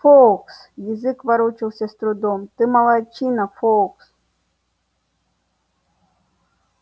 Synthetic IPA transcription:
fɔksjizɪkʋaɾɔt͡ʃɪwsʲɐst̪ɾʊd̪ɔmt̪ɨmɐlˠajt͡ʃinɐfɔks

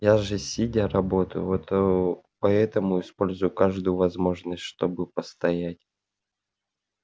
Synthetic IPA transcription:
jaʐɨsʲɪdʲaɾɐbo̞t̪əjʊ̰vot̪opɐɛt̪əmʊɪspo̞lʲzʊjʊkaʐd̪ʊjʊvɐzmo̞ʐnəsʲt̪ʲʂt̪o̞bɨpəst̪ɐjætʲ

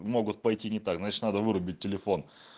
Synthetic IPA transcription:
mo̞ɡʊt̪̚pɐjtʲinʲɪt̪akznat͡ʃɪt̪nad̪əvɨɾʊbʲɪt̚ʲːɪlʲɪfo̞n

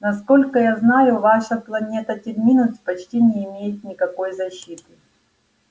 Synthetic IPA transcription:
nɐsko̞lʲkəjaznajʊvaʂɐplˠɐnʲe̞t̪ətʲɪɾʲmʲinʊt͡sʲpɐt͡ɕtʲinʲɪːmʲejɪt̪̚nʲɪkɐko̞jzɐɕːit̪ɨ

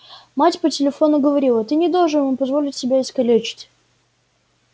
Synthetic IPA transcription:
matʲpətʲɪlʲɪfo̞nʊɡəvɐɾʲilˠət̪ɨnʲɪd̪olˠʐɨnvumpɐzvo̞lʲɪtʲsʲɪbʲaɪskɐlʲet͡ɕɪ̥tʲ

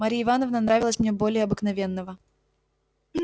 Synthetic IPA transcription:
maɾʲijɪvanəvnənɾavʲɪlˠəsʲmnʲebo̞lʲɪjəɐbɨknɐvʲe̞nːəvə

